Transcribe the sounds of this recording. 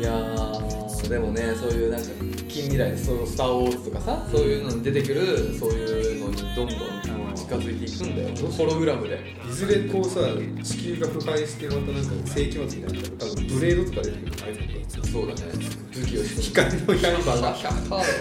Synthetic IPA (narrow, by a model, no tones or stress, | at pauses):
ja | d̪e̞mo̞ne̞so̞ːjɯ̟ːnãŋka | kʲĩmːʲiɾaid̪esoːjsɨ̥t̪aːwo̞ɾzɨ̥t̪o̞kasaso̞ːjɯ̟ːno̞ɲ̟id̪e̞t̪e̞kɯ̟ɾɯ̟so̞ːjɯ̟ːno̞ɲ̟id̪õ̞nd̪õ̞nat͡ɕi̥kazɨit̪e̞ikɯ̟̃nd̪a̰jo̰opɾo̞ɡɯ̟ɾamɯ̟d̪e̞ | izɨɾe̞ko̞ːsa | t͡ɕi̥kʲɨːɡaɸɯ̟haiɕi̥t̪eɾmat̪anãŋkase̞ːkʲimat͡sɨmʲinat̪abt̪abɯ̟̃mbɯ̟ɾe̞ːd̪o̞t̪o̞kad̪e̞t̪e̞kɯ̟ɾ̟haiok̪oso̞ːd̪a̰ne̞̰ | d͡zɨkʲiokʲi̥kainojaibãɡa